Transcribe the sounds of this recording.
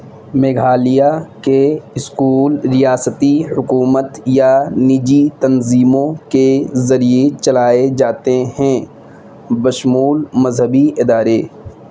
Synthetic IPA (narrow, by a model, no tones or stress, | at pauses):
meːɡʱaːlijakeɪskuːlɾijaːsət̪ihʊkuːmət̪janɪd͡ʒit̪ɐnziːmõkezɐɾijet͡ʃɐlaːed͡ʒaːt̪eɦɛ̃ | bɐʃmuːlmɐzɦəbiɪd̪aːɾeː